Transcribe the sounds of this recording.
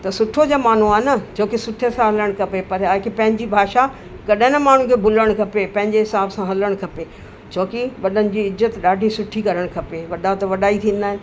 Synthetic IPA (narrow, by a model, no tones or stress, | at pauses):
t̪ɐsʊʈʰod͡ʑaːmaːn̤uaːɦɪnɐt͡ɕʰoːkɪsʊʈʰəsãɦɐləɽ̃kʰɐpepɐɾaːkepɐ̃ɦɪ̃ɲd͡ʑibʱaːʃa | kɐɗɦɪ̃nmaːɳ̤ũkʰebʱʊləɽ̃kʰɐpepɐ̃ɦɪ̃ɲd͡ʑeɦɪsaːbsãɦɐləɽ̃kʰɐpe | t͡ɕʰoːkɪʋɐɗənɪ̆d͡ʑiːɪzət̪ɗaːɖʱisʊʈʰikɐɾəɽ̃kʰɐpeʋɐɗat̪ɐʋɐɗaːit̪ʰĩːn̆d̪aːɦɪn